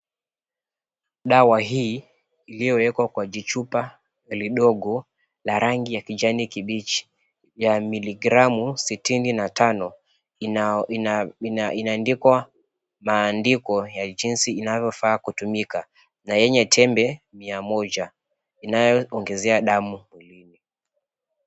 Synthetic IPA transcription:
ɗawaɦiː | lijɔwɛkwakwad͡ʒit͡ʃupa | liɗɔɡɔ | laɾaŋɡijakid͡ʒanikiɓit͡ʃi̥ | jamiliɡɾamusitininatanɔ | inaːndikwa | maːndikɔjad͡ʒinsiːnavjɔfaːkutumika | najɛɲɛtʰɛmbɛmiamɔʄa | inajɔɔŋɡɛzɛaɗamumwilini

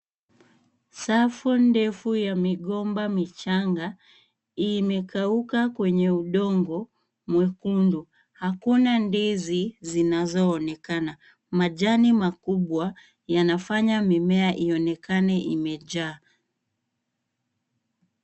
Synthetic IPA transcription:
safundɛfujamiɠɔmbamit͡ʃaŋɡa | imɛkaukakwɛɲɛuɗɔŋɡɔ | mwɛkundu | hakunandizizinazɔːnɛkana | maʄanimakuɓwa | janafaɲamimɛaʔiɔnɛkanɛʔimɛʄaː

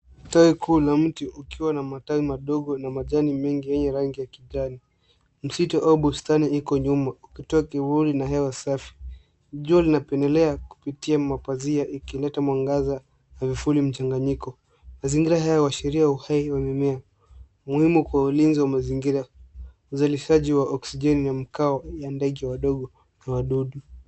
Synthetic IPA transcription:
atawikʰuːlam̩tiʔukiwanamatawimaɗɔɠɔnamaʄanimɛŋɡijɛɲɛɾaŋɡijakiʄani | m̩sitɔʔauɓustaniikɔɲumaukitɔakivulinaɦɛwasafi̥ | ʄualinapɛndɛlɛaku̥pitiamapaziaʔikilɛtamwaŋɡaza | avifulim̩t͡ʃaŋɡaɲikɔ | maziŋɡiɾaɦajawaʃɛɾiauhaiwamɛmɛa | muhimukwaulinziwamaziŋɡiɾa | uzaliʃaʄiwaʔɔksiʄɛninam̩kaɔjandɛɠɛwaɗɔɠɔ | nawaɗuɗu

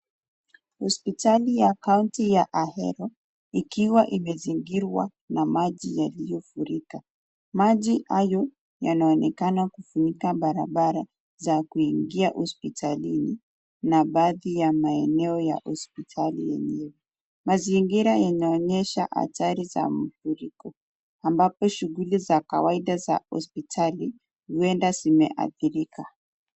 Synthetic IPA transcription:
hɔspitalijakauntijaʔahɛ̰ɾɔ | ikiwaʔimɛziŋɡiɾwa̰ | namaʄijalijɔfuɾika | maʄiha̰jɔ | janaɔnɛkanakufuɲikaɓaɾa̰ɓaɾa | zakuiŋɡiahɔspitʰalini | naɓaðijamaeneoja̰ʔospitʰalijḛɲiwo | maziːŋɡiɾajaɲoɲeʃaʔa̰taɾiza̰mufuriko | ambapo̞ʃuɡulizaka̰waiɗaza̰o̰spitʰali | uendasimḛʔa̰diriːka

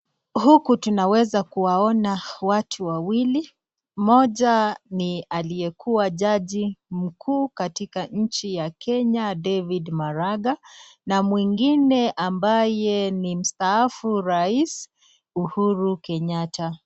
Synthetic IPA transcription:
hukutunawɛzakuwaɔnawatʰuwawili | mɔʄanialijɛkʰuwaʄaʄim̩kʰuːkatikaɲ̩t͡ʃijakʰɛɲadɛvidmaɾaɡanamwiŋɡinɛʔambajɛnim̩staafuɾais | uhuɾukɛɲatʰa

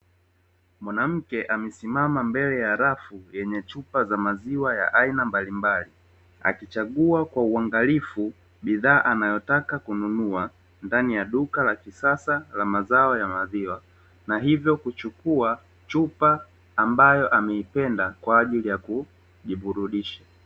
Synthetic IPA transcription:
mwanam̩kɛʔamɛsimamambɛlɛjaɾafujɛɲɛt͡ʃupazamaziwaja̰ʔainambalimbali | a̰kit͡ʃaɠuakwauaŋɡalifu | ɓiðaːʔanajɔtakakununua | ndanijaɗukalakisasalamazaɔjamaðiwa | naɦivjɔkut͡ʃukua | t͡ʃupaː | mbajɔʔamɛipɛndakwaːʄilijaku | ʄiɓuɾuɗiʃa

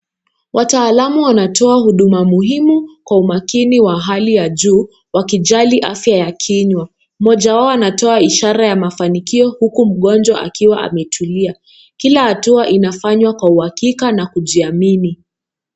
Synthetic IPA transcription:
wʔataːlamuwanatɔahuɗumamuɦimukwaumakiniwaɦalijaʄuː | wakiʄaliʔa̰fjajakʰiɲwa | mɔʄawaɔanatɔaiʃaɾajamafanikiɔhukum̩ɠɔnd͡ʒwa̰ʔa̰kiwaʔa̰mɛtʰulia | kilahatuaʔinafaɲwakwauhakikanakuʄiamini

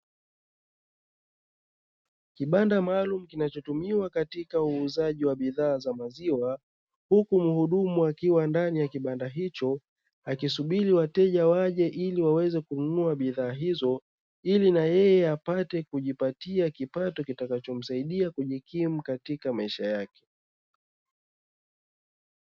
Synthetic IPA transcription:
kiɓandamaːlum̩kinat͡ʃɔtumiwakatikauːzaʄiwaɓiðaːzamaziwa | hukum̩huɗumuakiwandanijakiɓandaɦit͡ʃɔ | akisuɓiɾiwatɛʄawaʄɛʔiliwawɛzɛkununuaɓiðaːɦizɔ | ilinajɛjɛapatɛkuʄipatiakipatɔkitakat͡ʃɔm̩saiɗiakuʄikʰim̩katikamaiʃajakɛ̥

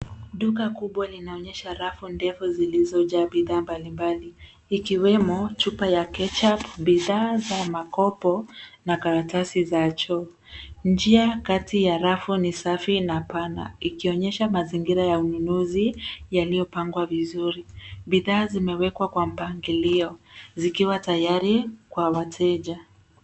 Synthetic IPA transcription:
ɗukakuɓwalinaɔɲɛʃaɾafundɛfuzilizɔʄaːɓiðaːmbalimbaliː | kiwɛmɔt͡ʃupajakɛt͡ʃapɓiðaːzamakɔpɔnakaɾatasizat͡ʃɔ | nd͡ʒiakatijaɾafunisafinapana̰ikiɔɲɛʃamaziŋɡiɾajaununuzijalijɔpaŋɡwavizuɾiɓiðaːzimɛwɛkwakwam̩paŋɡiliɔzikiwatajaɾikwawatʰɛʄa

